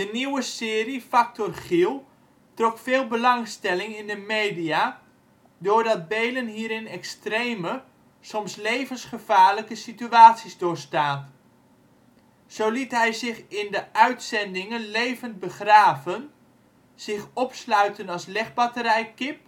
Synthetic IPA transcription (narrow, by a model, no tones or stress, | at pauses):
dəniwəsɪːrifɑk̚tɔrχilˠ | trɔkfɪːlˠbəlɑŋstɛlɪŋɪndəmejdia | dʊːɹdɑd̚bejlənɦiːɾɪnɛkstrejmə | sɔmslejvənsχəv̥aːɹləkəsityaːtsizdʊːɹstaːn | z̥owlitɦɛjzɪχɪndəʔœɥtsɛndɪŋənlejvənt̚bəχraːvən | z̥ɪχɔpslœɥtənɑslɛχbɑtəɾɛjkɪp̚